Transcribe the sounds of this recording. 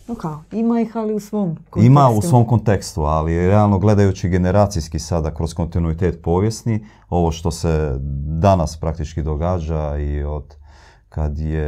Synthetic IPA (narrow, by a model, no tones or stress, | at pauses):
nokaoimaixaliusʋoːmkoimaussʋo̞mko̞nt̪e̞kst̪ualiɾealˠno̞ɡle̞d̪ajut͡ʃiɡe̞ne̞ɾaːt̪sijskisad̪akɾo̞sko̞nt̪inuit̪e̞ːt̪po̞ːʋjesni | o̞ʋo̞ʃt̪o̞sed̪anaspɾak̚t̪it͡ʃkid̪o̞ɡaːd͡ʒaio̞d̪̥ | kad̪je